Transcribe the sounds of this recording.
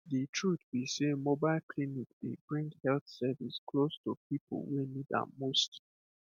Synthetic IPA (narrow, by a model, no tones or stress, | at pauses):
ditʰɹutbisemobaɪlkʰlinik̚d̥ebɹĩŋdhɛlθsɛviskʰlostupipo̰l̩wenidã̰most